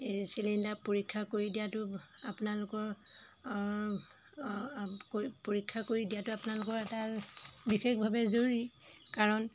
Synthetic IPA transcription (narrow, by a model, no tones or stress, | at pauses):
silindapoɹikʰːakoɹidijatʊapʊnalʊkɔɹ | kpoɹikʰːakoɹidijatʊapʊnalʊkɔɹɛta | bixexbʱabɛzoɹi | kaɹɔn